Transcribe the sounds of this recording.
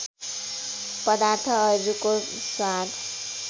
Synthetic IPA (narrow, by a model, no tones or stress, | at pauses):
pʌd̪aɾt̪ʰʌːd͡zuko | swad̪